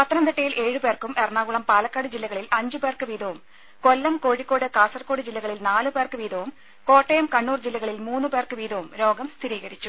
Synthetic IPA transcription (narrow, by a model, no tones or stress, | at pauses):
pɐt̪ːɐnɐmd̪eʈːɐjilʔe̞ːɻɨpe̞ːrkumerɳaːɣuɭɐmpaːlɐkːaːɽɨd͡ʑilːɐɣɐɭilɐɲd͡ʑɨpeːrkɨʋiːd̪ɐʋum | kolːɐmko̞ːɻikːo̞ːɽɨkaːsɐrko̞ːɽɨd͡ʑilːɐɣɐɭilnaːlɨpe̞ːrkɨʋiːd̪ɐʋum | ko̞ːʈːejɐmkɐɳːuːrd͡ʑilːɐɣɐɭilmuːnːɨpeːrkɨʋiːd̪ɐʋumɾo̞ːɡɐmst̪ʰiɾiːɣɐɾit͡ɕːu